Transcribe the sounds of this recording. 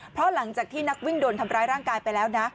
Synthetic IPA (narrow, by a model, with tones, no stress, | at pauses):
pʰɾɔ˦˥la˩˦ŋt͡ɕaː˨˩k̚t̪ʰiː˥˩na˦˥k̚wi˥˩ŋdoː˧nt̪ʰa˧mɾaː˧jɾaː˥˩ŋkaː˧jpa˧jlɛː˦˥wna˦˥